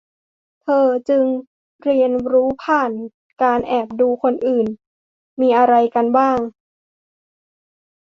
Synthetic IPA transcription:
t̪ʰɤː˧t͡ɕɯ˧ŋ | ɾi˧ənɾuː˦˥pʰaː˨˩n | kaː˧nʔɛː˨˩p̚duː˧kʰo˧nʔɯː˨˩n | miː˧ʔa˧ɾa˧jka˧nbaː˥˩ŋ

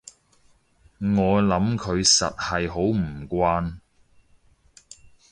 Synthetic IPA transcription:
ŋɔː˨˧lɐ˨˥mkʰɵ˨˧ɥsɐ̰˨t̚hɐ˨jɦo˨˥wm̩˨˩kʷaː˧n

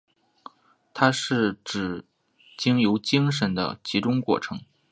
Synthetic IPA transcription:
t̪ʰa˥ʂɻ̩˥˩ʈ͡ʂɻ̩˨˩ | t͡ɕi˥ŋjo˧˥ʊt͡ɕi˥ŋʂ̬ə˧˥nd̪ə̰˧t͡ɕi˧˥ʈ͡ʂʊ˥ŋkwɔ̰˥˩ʈ͡ʂʰɤ̰˧˥ŋ

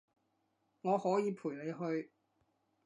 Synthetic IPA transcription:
ŋɔː˨˧hɔː˨˥jiː˨˧pʰuː˨˩jle˨˧jɦɵ˧ɥ

